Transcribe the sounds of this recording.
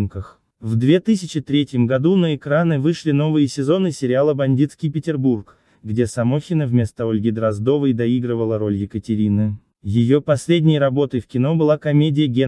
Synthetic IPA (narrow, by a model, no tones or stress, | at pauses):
mkəx | vd̪vʲe̞t̪ɨsʲɪt͡ɕɪt̪ɾʲetʲjəmɡɐd̪unəɪkɾanɨvɨʂlʲɪno̞vɨjəsʲɪzo̞nɨsʲɪɾʲɪalˠəbɐnʲdʲit̪skʲijpʲɪtʲɪrburk | ɡdʲe̞sɐmo̞xʲɪnəvmʲe̞st̪əo̞lʲɡʲɪd̪ɾɐzd̪o̞vəjd̪ɐiɡɾəvəlˠəɾo̞lʲjɪkətʲɪɾʲinɨ | jɪjopɐsʲlʲedʲnʲɪjɾɐbo̞t̪əjfkʲɪno̞bɨlˠakɐmʲedʲɪjəɡʲe